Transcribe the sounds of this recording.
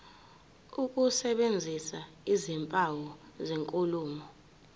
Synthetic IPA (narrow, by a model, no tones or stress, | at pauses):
uk̬ʼusɛɓend͡zʱisaizimpʼawɔzeŋkʼuluːmɔ